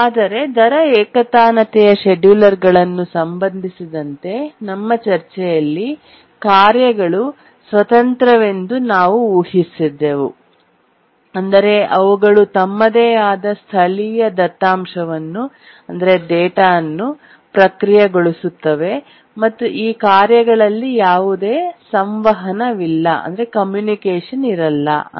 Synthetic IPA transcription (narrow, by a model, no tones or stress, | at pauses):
aːd̪ɐɾe̞d̪ʱɐɾɐɛːkɐt̪aːnɐt̪ɛjɐʃeɖjuːlɐɾɡɐɭɐnːusɐmbɐnd̪ʱisid̪ɐnt̪e̞nɐmːɐt͡ʃɐɾt͡ʃɛjɐlːi | kaːɾjɐɡɐɭu | sʋɐt̪ɐnt̪ɾɐʋe̞nd̪unaːʋuuːhisid̪ːeʋṵ | ɐnd̪ɐɾe̞ʔɐʋuɡɐɭut̪ɐmːɐd̪eːaːd̪ɐst̪ʰɐɭijɐd̪ɐt̪ːaːmʂɐʋɐnːu | ɐnd̪ɐɾe̞d̪ɛːʈaːɐnːu | pɾɐkɾijɐɡoɭusut̪ːɐʋe̞ | mɐt̪ːuʔiːkaːɾjɐɡɐɭɐlːijaːʋud̪e̞ːsɐmʋɐɦɐnɐʋilːɐʔɐ̰nd̪ɐɾekɐmjuːnikeːʂɐniɾɐlːɐ̰